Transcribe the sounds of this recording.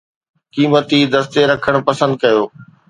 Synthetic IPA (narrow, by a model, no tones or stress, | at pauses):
kiːmət̪id̪ɐst̪eɾɐkʰəɽ̃pɐsə̃nd̪̚kɐjoː